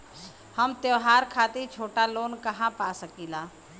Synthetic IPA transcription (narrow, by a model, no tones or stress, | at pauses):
hɐmt̪jeʋɦaːɾkʰaːt̪et͡ʃʰoːʈaloːnkɐɦãpaːsəkiːlaː